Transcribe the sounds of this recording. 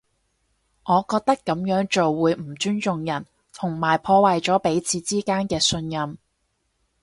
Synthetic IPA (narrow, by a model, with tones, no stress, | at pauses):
ŋʔɔː˨˧kɔː˧k̚t̪ɐ˥kːɐ˨˥mjœː˨˥ŋt͡ʃo˨wːuː˨˧jm̩˨˩t͡ʃyː˥nt͡sʊ˨ŋjɐ˨˩n | t̪ʰʊ˨˩ŋmaː˨˩jpʰɔː˧wɐ˨jt͡sɔː˨˥pe˨˥jt͡sʰiː˨˧t͡siː˥kaː˥nkɛː˧sɵ˧njɐ˨˧m